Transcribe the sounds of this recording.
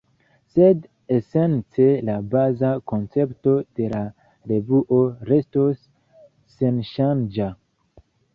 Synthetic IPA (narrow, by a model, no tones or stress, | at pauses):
sed | ese̞nt͡se̞labazakont͡se̞pto̞d̥e̞la | ɾevuʔo̞ɾe̞stosː | enʃand͡ʒa